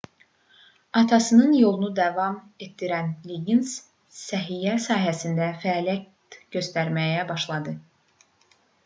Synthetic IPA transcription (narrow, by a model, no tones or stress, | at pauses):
ɑt̪ʰɑsɯnɯnjo̞lˠunud̪ɑvɑm | e̞t̪̚d̪iɾænliɡins | sæɦijæsɑːɦæsind̪æfælæt̪ɟø̞st̪æɾmæjæbɑʃlˠɑd̪ɯ